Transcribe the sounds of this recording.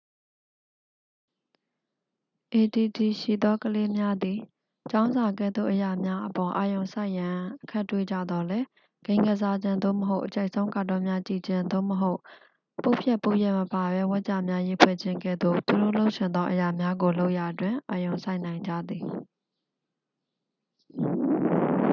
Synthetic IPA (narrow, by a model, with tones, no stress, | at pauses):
ʔe˨ti˨ti˨ʃḭ˦˨d̪ɔ˦kəle˦mja˦d̪i˨ | t͡ɕã˦ʊ̃nza˨ɡɛ̰˦˨d̪ðo̰˦˨ʔəja˨mja˦ʔəpɔ˨ʔa˨jõ˨ʊ̃sa˦ɪʔjã˨ʔəkʰa˦ʔtːwḛ˦˨d͡ʑa̰˦˨d̪ɔ˦lɛ˦ | ɡ̥ẽ˦ɪ̃ŋɡə˦˨za˦d͡ʑɪ̃˦nd̪o̰˦˨məɦo˦ʊʔət͡ɕʰa˦ɪʔsʰõ˦ʊ̃ŋka˦˨tɔ˦mja˦t͡ɕḭ˦˨d͡ʑɪ̃˦nd̪o̰˦˨məɦo˦ʊʔ | po˦ʊpʰjɛ˦ʔpo˦ʊjɛ˦ʔməpa˨bɛ˦wɛ˦ʔt͡ɕa̰˦˨mja˦ji˦˨pʰwɛ̰˦˨d͡ʑʰɪ̃˦ŋɡɛ̰˦˨d̪o̰˦˨t̪u˨do̰˦˨lo˦ʊʔʃʰɪ̃˨nd̪ɔ˦ʔə˨ja˨mja˦ɡo˨lo˦ʊʔja˨ʔətwɪ̃˨ʔa˨jõ˨ʊ̃sa˦ɪʔnã˨ɪ̃ɲd͡ʑa̰˦˨d̪i˨